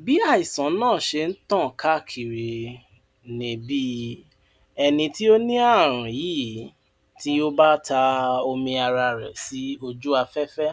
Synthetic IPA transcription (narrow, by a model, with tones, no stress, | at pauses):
bi˨˦a˦˨i˨sã˨˦nãː˦˨ʃe˧n̩˦tã˦˨ka˦˨kʰi˨ɾi˨ | nĩ˨bi˦ | ɛ˧nĩ˧ti˦o˦nĩ˦a˦˨ɾ̃ũ˨jiː˦˨ | ti˦o˦ba˦ta˧o˧mĩ˧a˧ɾa˧ɾɛ̰˨si˨˦o˧d͡ʒu˦a˧fɛ˦fɛ˦